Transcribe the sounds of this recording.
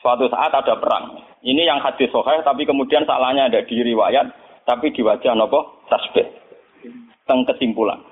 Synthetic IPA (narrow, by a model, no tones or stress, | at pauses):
səwat̪usa̰ʔat̪ad̥a̤pəɾa̰ŋ | inijaŋhad̪̥ɪsɔhaht̪apikəmud̥iansa̰lahɲaːdaʔd̥iɾiwajat̪̚ː | apid̥i̤wḁd͡ʒ̥ahnɔpɔht̪ɾasb̥ɛt̪̚ | t̪əŋkəsimpula̰n